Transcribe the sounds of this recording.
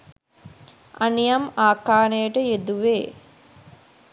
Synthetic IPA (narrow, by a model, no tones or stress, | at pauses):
ʔanijɐmaːkaːnəjəʈəjed̪uʋeː